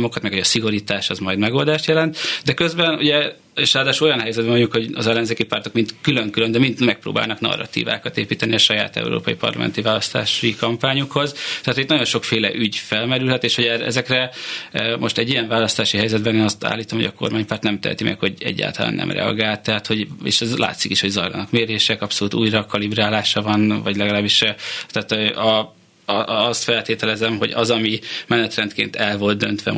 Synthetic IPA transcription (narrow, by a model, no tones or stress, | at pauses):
mo̞kɒt̪mɛkhoɟɒsiɡo̞ɾiːt̪aːʃɛzmɒjd̪mɛɡo̞ld̪aːʃt̪jɛlɛnt̪d̪ɛkø̞zbɛnuɟɛ | eːʃraːd̪aːʃulojɒnɦɛjzɛd̪bɛmvoɲɟukho̞ɟɒzɛlːɛnzeːkipart̪o̞kmint̪kyløŋkylønd̪ɛmint̪mɛk̚pro̰ːba̰ːlnɒknɒ̰rːɒ̰t̪ḭːva̰ːkɒt̪eːpiːt̪ɛniɒʃɒja̰ːt̪ɛ̰uɾo̰ːpɒipɒ̰rlɒ̰mʔɛ̰nt̪ivaːlɒst̪a̰ːʃikɒmpaːɲukho̞zt̪ɛhat̪ʰoit̪nɒɟo̞nʃo̞kfeːlɛ̰ʔyɟfɛlmɛɾylhɛt̪eːʃoɟɛrɛ̰zɛkrɛ | mʔoʃt̪ɛɟːijɛɱvaːlɒst̪aːʃiɦɛjzɛd̪̚bɛneːnɒst̪a̰ːlːiːt̪o̞mho̞ɟɒko̞̰rmaːɲpaːrt̪nɛmt̪ɛ̰ɦɛ̰t̪imʔɛ̰kho̞ɟɛ̰ɟːa̰ːlt̪ɒla̰ːnʔɛ̰mrɛ̰ɒ̰ɡaːlt̪ːɛɦaːt̪ho̞ɟḛːʃɛzla̰ːt̪sikiʃho̞ɟzɒjlɒ̰nɒkmeːɾeːʃɛkɒpso̞luːt̪uːjrɒkɒlibraːlaːʃɒvɒnvɒɟlɛɡɒlaːbːiʃɛt̪ɛaːt̪ːʔɒ | st̪fɛlt̪eːt̪ɛlɛzɛmɦo̞̰ɟɒ̰zɒmimɛnɛt̪rɛnt̪kḛːnt̪ʰɛlvo̞lt̪̚d̪ø̞nt̪ʋɛ̰